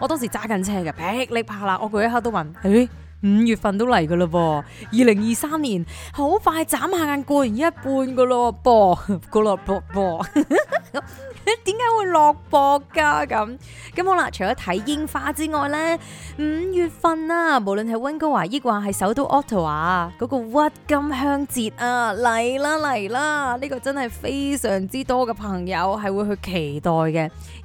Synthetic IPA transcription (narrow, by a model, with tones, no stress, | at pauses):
ɔː˨˧t̪ɔː˥ŋs̬iː˨˩t͡saː˥kɐ˧nt͡sʰɛː˥kaː˧˩pɛ˨˥k̚lɪ˨˥k̚pʰaː˧laː˧˥ʔɔː˨˧k̬o˧jtɦɐː˧˥t̪o˥wɐ˨˩ne˨˥ | m̩ː˨˧jyː˨˩t̚fɐ˧nt̪̬o˥wlɐ˨˩jkɐ˧lɐ˧wɔː˧ | jiː˨˧lɪ˨˩ŋjiː˨˧saː˥mniː˨˩nho˨˥wfaː˧jt͡saː˨˥mhaː˨˧kaː˧nkʷɔː˧ji˨˩njɐ˥t̚puː˧nko˧lɔ˧pɔː˧ko˧lɔ˨˧pɔː˧pɔː˨˧ | t̪iː˨˥mkaː˨˥jwuː˨˧jlɔː˨k̚pɔː˧kːaː˧kɐ˨˧˥m | kɐ˨˥mho˨˥la̰˧˨t͡ʃʰɵ˨˩jɔː˨˥t̪ʰɐ˨˥jːɪ˥ŋfaː˧˥t͡siː˥ŋɔː˨jlɛː˥m̩ː˨˧jyː˨t̚fɐ˧naː˧mo˨˩wlɵ˨nɦɐ˨jwɐ˥nko˥waː˨˩ji˥k̚waː˨˧ɦɐ˨jsɐ˨˥wt̪o˨˥wʔɔː˥k̚t̪ʰo˨˩waː˨kɔ˨˧˥kɔː˧wɐ˥t̚kɐ˥mɦœː˥ŋt͡siː˧t̚ʔaː˧lɐ˨˩jlaː˥lɐ˨˩jlaː˥niː˥kɔː˧t͡sɐ˥nhɐ˨jfe˥jsœː˨˩ŋt͡siː˥t̪ɔː˥kɛ˧pʰɐ˨˩ŋjɐ˨˧wɦɐ˨jwuː˧jɦɵ˧ɥkʰe˨˩jt̪ɔː˨jkɛ˧